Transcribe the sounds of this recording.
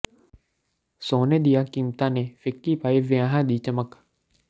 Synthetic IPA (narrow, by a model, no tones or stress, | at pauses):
soːneːd̪ɪjaːkiːmt̪ãːneːfʰɪkːiːpaːeːʋɪjaːɦãːd̪iːt͡ʃəmək